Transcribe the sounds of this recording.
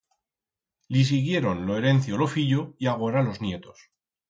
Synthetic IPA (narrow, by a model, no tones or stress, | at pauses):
lis̬iɣje̞ɾo̞nloe̞ɾe̞nθjolo̞fiʎoiaɣo̞ɾalo̞znje̞t̪o̞s